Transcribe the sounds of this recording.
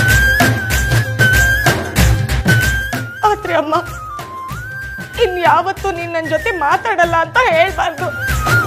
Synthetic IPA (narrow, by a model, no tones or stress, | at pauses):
aːt̪ɾeɐmːa | inːujaːʋɐt̪ːuninːɐnd͡ʒot̪emaːt̪aːɽɐlːɐːnt̪ɐɦeːɭbaːɾd̪u